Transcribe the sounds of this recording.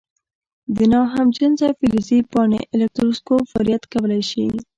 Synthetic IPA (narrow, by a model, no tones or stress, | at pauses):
d̪ənɑɦamd͡ʒənzafilizipɑnḛʔɪlek̚t̪ɾuskofaɾjat̪kawəlajʃi